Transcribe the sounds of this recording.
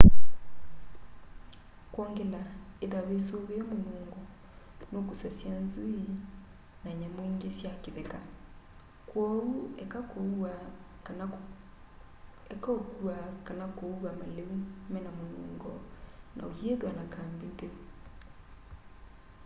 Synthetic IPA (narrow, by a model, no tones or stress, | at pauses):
kwɔːŋɡelaeðaβesoβeɛmonuːŋŋɡɔ | nokusasjanzui | naɲamoiŋɡesjakeðeka | kwɔɾuɛkakoa | ɛkɔkwakanakouɣamaleumɛnamolṵːŋɡɔna̰ohjeðwanakaːmbenteu